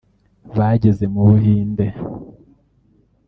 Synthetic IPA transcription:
βaɟezemuβuɦiːnde

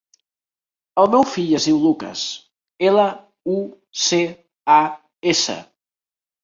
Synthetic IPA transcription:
əlˠmɛwfiʎəzðiwlukə̰s | elə | u | se | a | esə̰

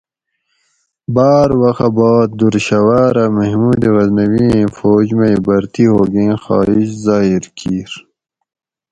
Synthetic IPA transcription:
baːɾwɐxabɑːt̪̚d̪uɾɕɐwaːɾamɐɦmuːd̪eɣɐznɐwĩfoːd͡ʑmeibɐɾt̪iɦoːɡẽːxɑ̰ːiɕzɑːiɾkʰiːɾ

